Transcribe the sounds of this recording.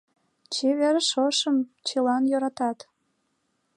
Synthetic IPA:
t͡ɕeβeɾəʃoʃəmt͡ɕelɑnjøɾɑt̪ɑt̪

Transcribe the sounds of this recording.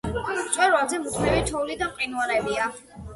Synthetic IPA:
t̪sʼwɛɾwazɛmut̪ʰmivit͡ʃʰɔulid̪amqʼinuaɾɛbia

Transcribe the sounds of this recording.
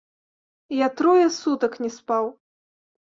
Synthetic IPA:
jat̪ɾɔjɐsut̪ɐknʲɛspaw

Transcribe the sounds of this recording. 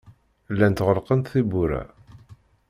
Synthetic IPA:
lːænt̪ʁəlqənt̪θibuɾæ̰

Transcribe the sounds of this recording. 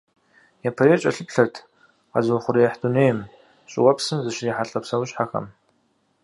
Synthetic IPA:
japʰɐɾeːt͡ʃʼɐ̰ɬɨpɬɐrtʰ | qɐ̰zɐχʷʊɾijɐħduneːjm | ɕʼɪ̰wɐpsɨmzɨɕɪriːħaɬʼɐpsɐwʊɕħaxɐ̰m

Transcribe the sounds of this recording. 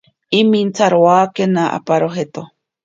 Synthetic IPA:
imint͡sʰaɾoaːkenaʔa̰paɾoɦet̪o

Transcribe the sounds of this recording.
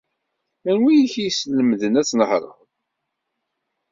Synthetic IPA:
ænwijçijsləmðənæt͡sːnəħɾˤə̰ð

